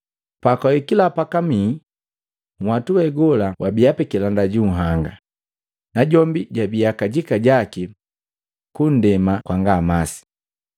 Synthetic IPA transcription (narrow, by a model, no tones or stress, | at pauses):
pakaikilapakamiː | ŋ̩watuwɛɡɔlawʔabiapɛkilandaɟuŋ̩ɦaŋɡa | naɟɔmbiɟabijakaɟikaɟaki | kun̩dɛmakwaŋɡamasi̥